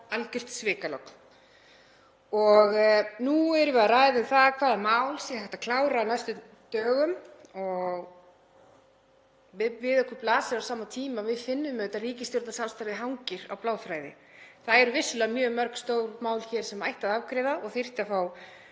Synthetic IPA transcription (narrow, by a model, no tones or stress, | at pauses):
alcɪr̥t̪svɪːkalɔwk | ɔɣnuɛɾʏvɪaraːjðʏθaðkʰvaːðɛɾmaːwlsjɛθɛht̪akʰlaːwɾaːnajst̪ʏ | t̪œːɣʏmɔɣ | vɪvɪðɛhkʏɾplaːsɪɾawsaːmat̪ʰiːmavɪðfɪnːʏmːɛɛt̪ːariːcɪst̪jowɾt̪nasanst̪aɾðɪɦawŋcɪɾawplaːwfɾaːjðɪ̰ | θaðɛɾʏvɪsʏlɛamjœːmœɾ̥kst̪oːwɾmaːwlçɛɾ̥sɛmajht̪aðavkɾɛːðaɔɣθir̥t̪afaw